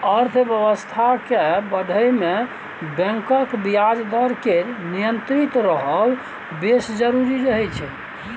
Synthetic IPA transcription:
əɾt̪ʰbjəbəst̪ʰakebəɖʱəjme | bɛ̃ŋkəkbiad͡ʒd̪əɾkeɾnijənt̪ɾit̪ɾəɦəl | besd͡ʒəɾuɾiɾəɦɛt͡ʃʰɛ

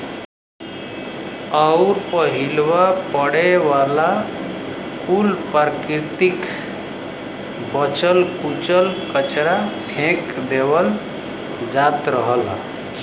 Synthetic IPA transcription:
əʊɾpəɦilwapəɽewala | kulpaɾkiɾt̪ik | bət͡ʃəlkut͡ʃəlkət͡ʃɾapʰẽkd̪ewəl | d͡ʒat̪ɾəɦəl

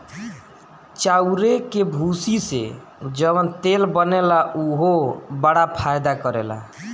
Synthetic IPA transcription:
t͡ʃauɾekebʱusisḛ | d͡ʒəbənt̪elbənelauɦobəɽapʰajd̪akəɾela̰

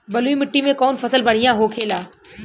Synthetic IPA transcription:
bɐluimɪʈːimẽkɔːnfɐsəlbɐɽ̤ijãɦoːkʰeːlaː

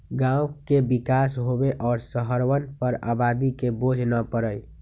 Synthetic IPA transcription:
ɡãukebikasɦobeʔɔːɾsəɦəɾʋənpəɾa̰bad̪ikebod͡ʒʱnəpəɾəj

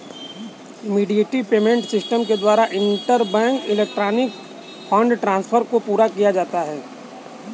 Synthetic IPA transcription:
ɪmiːɖijeːʈipeːmẽɳʈsɪsʈəmked̪waːɾaʔɪ̃nʈəɾbɛ̃ːŋkɪleːk̚ʈɾaːnɪk | pʰɔ̃ɳɖʈɾãːnspʰəɾkopuːɾakijad͡ʒaːt̪aɦɛː

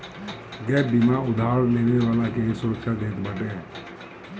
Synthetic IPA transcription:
ɡɛːbɪmaːʊd̪ʱaːɾleːneʋaːlakesʊɾəkʃad̪eːt̪bəʈeɦɛ

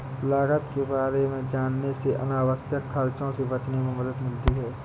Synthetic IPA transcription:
laːɡət̪kebaːɾemẽd͡ʒaːnːeseʔɐnaːwəsjəkxʰɐɾt͡ʃõsebɐt͡ʃnemẽməd̪əd̪mɪlt̪iɦɛː

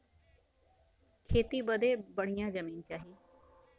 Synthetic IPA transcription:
kʰeːt̪iːbəd̪eːbəɽ̤̃ijãːzəmiːnt͡ʃaːɦiː

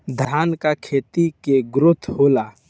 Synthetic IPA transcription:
d̪ʱaːnkakʰeːt̪ikeɡɾʊt̪ʰhoːlaː

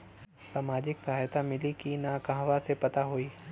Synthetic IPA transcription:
saːmaːd͡ʒɪksɐɦaːjt̪ʰamɪlikinakãɦʋasepɐt̪aɦoiː

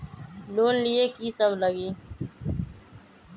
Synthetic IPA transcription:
loːnlieːkiːsəbləɡiː

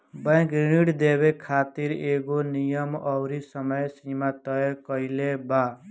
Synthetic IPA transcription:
bãkɾiɽiʈd̪ebekʰat̪iɾeɡonijɔmɔwɾisɔmɔjsimat̪ɔɔkɔileba

